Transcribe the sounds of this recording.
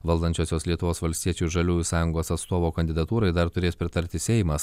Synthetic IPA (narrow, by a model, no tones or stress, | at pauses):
ʋɐlˠd̪ɐnʲt͡ʃʲoːsʲoːslʲiɛt̪ʊʋoːsʋɐlʲsʲt̪ʲiɛt͡ʃʲuːʒɐlʲuːjusɑːjʊŋɡoːsɐt̪st̪oːʋoːkɐnʲd̪ʲɪd̪ɐt̪uːɾɐɪd̪ɐɾt̪ʊɾʲeːspʲɾʲɪt̪ɐɾʲt̪ʲɪsʲɛɪmɐs